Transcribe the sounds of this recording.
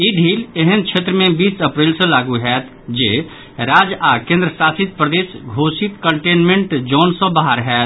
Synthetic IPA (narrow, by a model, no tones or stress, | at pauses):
iɖʱiːleɦənt͡ʃʰet̪ɾəmẽbisəpɾelsə̃laɡuɦɛt̪ʰ | d͡ʒe | ɾad͡ʒakẽnd̪ɾəsasit̪̚pɾəd̪eːsɡʱosit̪kəɳʈenmẽɳʈd͡ʒɔːnsə̃baɦaɾɦɛt̪